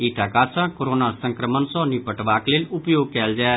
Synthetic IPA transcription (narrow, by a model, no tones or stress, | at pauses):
iʈʰakaːsãkoɾoːnasə̃ŋkɾəmənsɔ̃nipəʈʋaːkleːlʲʊpjoːɡ̚kɛːld͡ʒaː